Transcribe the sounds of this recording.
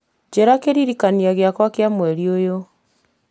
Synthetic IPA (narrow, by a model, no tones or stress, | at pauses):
d͡ʑeɾakeɾiɾikaniaɣeakwakeamwɛɾiojo